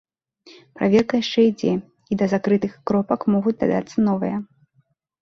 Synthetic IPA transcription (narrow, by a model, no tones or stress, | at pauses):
pɾavʲɛrkɐjaʂt͡ʂɛid͡zʲɛ | id̪ɐzakɾɨt̪ɨxkɾɔpɐkmɔɣud͡zʲd̪a̰d̪a̰t̪sːɐnɔvɨ̰jɐ